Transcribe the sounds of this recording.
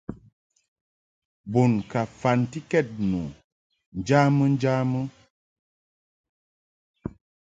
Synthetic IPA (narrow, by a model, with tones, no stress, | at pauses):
bo˨nka˨fa˨nti˦kɛ˦˨t̚nṵ˨ | n˦d͡ʒa˦mɨ˦n˦d͡ʒa˦mɨ˦